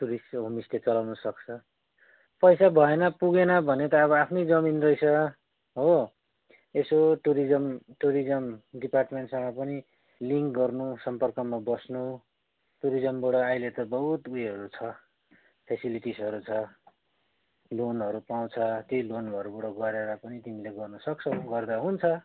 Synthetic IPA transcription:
ʈuɾisɦomislet͡sʌlawnʌsʌkt͡sʰʌ | pʌjsabʱʌenʌpuɡenʌbʱʌnet̪ʌːβʌapʰnʌjd͡zʌminrʌjsʰʌ | ɦo | esoʈuɾid͡zʌmʈuɾid͡zʌmɖiparʈmeɳʈsʌŋʌpʌni | liŋkɡʌrnusʌmpʌrkʌmabʌsnu | ʈuɾid͡zʌmbʌɽʌajlet̪ʌbʌɦut̪ujɦʌɾut͡sʰʌ | pʰesiliʈisʌɾut͡sʰʌ | lonɦʌɾupaw̃t͡sʰʌt̪jojlonbʌɾubʌɽʌɡʌɾeɾʌpʌnit̪imileɡʌrnʌsʌk̚t͡sʰʌɡʌrd̪aɦunt͡sʰʌ

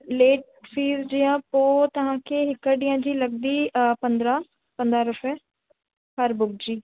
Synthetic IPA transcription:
leːʈ̚ | fʰiːzd͡ʒijãːpoːt̪əɦãːkʰeːɦɪkːəɖijãːd͡ʒiːləɡ̚d̪iːpənd̪ɾãː | pə̃nd̪ɾaːɾʊpʰɛː | pəɾbʊkd͡ʒiː

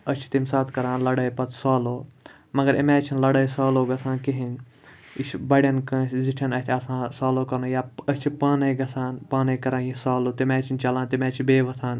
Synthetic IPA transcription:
ɐt͡ʃʰi̥t̪imsaːt̪ʰkɐɾãːnlɐɽɐjpɐt̪ʰsaːloː | mɐɡɐɾimɛːt͡ʃʰinlɐɽəjsaːloːɡɐsãːnkiɦin | iʃʰbɐɽɐnkɐ̃sziʈʰɐnɐt̪ʰɐsãːsaːloːkɐɾnoːjaət͡ʃʰipaːnɐjɡɐsaːnpaːnɐjkɐɾãːjisaːloːt̪imɛːt͡ʃʰint͡ʃɐlaːnt̪imɛːt͡ʃʰibeːʋɐt̪ʰaːn

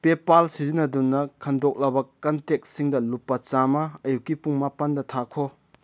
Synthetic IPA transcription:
pepalsizinɐdunːɐkʰɐndok̚lɐbɐkɐntek̚siŋdɐlupːɐt͡ʃamɐɐjukːipuŋmapɐndɐtʰakʰo

